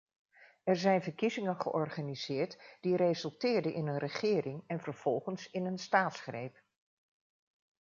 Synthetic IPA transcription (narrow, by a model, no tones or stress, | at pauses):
ɛɹzɛjnvəɹkizɪŋənχə̰ʔɔrχaːniz̥ɪːɹtd̥iɾezɵlˠtɪːɹdənʔɪnənrəχɪːrɪŋɛnvəɹv̥ɔlˠχənsɪnənstaːtsχrejp